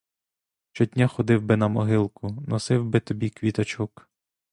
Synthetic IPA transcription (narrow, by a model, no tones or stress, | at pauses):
ʃt͡ʃɔtʲnʲaxɔd̪ɪwbɪnɐmɔɦɪlˠkʊnɔsɪwbɪt̪ɔbʲikʋʲit̪ɐt͡ʃuk